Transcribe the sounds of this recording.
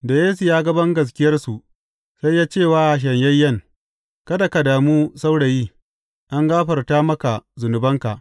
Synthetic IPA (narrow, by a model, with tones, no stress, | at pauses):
da˨jeː˦s̬u˨jaː˦ɡɐ˦bɐ˦ŋɡɐ˨s̬kʲɪ˦jɐ˦rsu˨ | sa˦jːaː˦t͡ʃeː˦˨waː˦ʔa˨ʃ̬ɐ˨ɲjɐ˦jːɐ˦˨ŋ | kɐ˦da˨ka˨daː˨muː˦sa˦wɽa˨jiː˦ | ʔa˦ŋɡaː˦ɸɐ˨rtaː˦mɐ˦ka˨zʊ˨nʊ˨bɐ˦ŋka˨ʔ